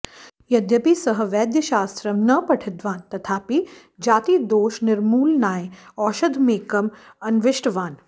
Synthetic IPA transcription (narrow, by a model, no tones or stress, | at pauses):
jɐd̪jɐpiːsɐɦə̆ʋɛːd̪jɐʃaːst̪ɾɐmnɐpɐʈʰɪd̪ʋaːnt̪ɐt̪ʰaːpi | d͡ʒaːt̪iːd̪oːʃnɪɾmuːlnaːjɔːʃɐd̪ʱmeːkɐm | ɐnʋɪʃʈʋaːn